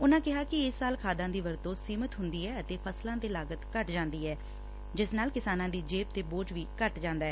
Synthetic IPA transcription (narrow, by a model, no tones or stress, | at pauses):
ʊnãːkɪɦaːkɪɪsːaːlkʰaːd̪ãːd̪iːʋəɾt̪õːsiːmət̪ɦʊnd̪iːɛːət̪eːpʰəslãːd̪eːlaːɡət̪kəʈd͡ʒãːnd̪iːɛː | d͡ʒɪsnaːlkɪsaːnãːd̪iːd͡ʒeːp̚t̪eːboːʈʋiːkəʈd͡ʒãːnd̪aːɦɛː